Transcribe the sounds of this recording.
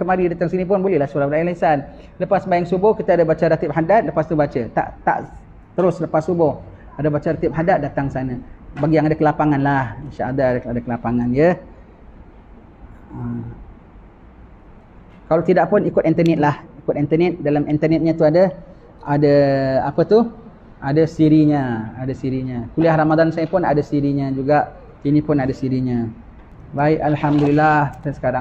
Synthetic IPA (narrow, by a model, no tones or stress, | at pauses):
kəmaɾidat̪aŋsinip̬ʊnbolɛhlahsuɾabəɾalasan | ləpasbajaŋsubʊhkit̪əadabat͡ʃəɾat̪ip̚ɦadat̪̚ləpast̪ubat͡ʃət̪a̰ʔt̪a̰ʔ | t̪əɾʊsləpasːubʊh | adabat͡ʃəɾat̪ip̚ɦadat̪̚dat̪aŋsanãbaɡijaŋadakəlapaŋanlahinʃaʔadaadakəlapaŋanjə | ə | kalawt̪idaʔpʊnikʊt̪̚int̪ənɛt̪̚lahikʊt̪̚int̪ərnɛt̪̚dalamint̪ərnɛt̪̚ɲə̃t̪uadə | adaapət̪u | adasiɾiɲəadasiɾiɲə̃kuliahɾamadansajapʊnadasiɾiɲəd͡ʒuɡaʔ | inĩpʊnadasiɾiɲə̃ | baɪʔalhamdulilaht̪ansə̥kaɾa